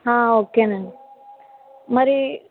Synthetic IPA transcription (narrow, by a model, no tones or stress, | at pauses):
ɦãːoːkene | mɐɾi